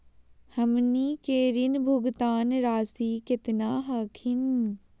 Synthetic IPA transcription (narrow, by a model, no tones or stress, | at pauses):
hɐmniːkeːɾɪnbʱʊɡt̪aːnɾaːsiːkɪt̪naːɦaːkʰɪn